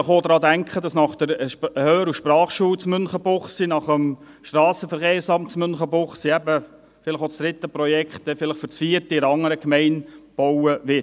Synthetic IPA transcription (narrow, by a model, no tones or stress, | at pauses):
ɪχoːd̥̪ɾɑːdæŋkχəd̥ɑsnɑχd̥əɾhøːɾuʃpɾɑːχʃuːwt͡smʏnχəbʊχsinɑχəm | ʃt̪rɑːsəfəɾχeːɾsɑmtt͡smʏnχəbʊχsiæbə | fɪlɪχosd̥ɾɪt̪ːəprɔjɛkχt̚dɛfɪlɪχfʏt͡sfiəɾtiɪɾɑŋəɾəkmɛɪnb̥owəʋɪ